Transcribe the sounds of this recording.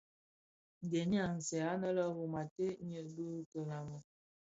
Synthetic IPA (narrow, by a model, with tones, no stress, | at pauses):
n˨de˨ni˦a˦˨n̩˨sɛ˨a˦nə˦lə˦ɣu˨ma˨te˦ɲə˨du˦kə˨la˨mə˨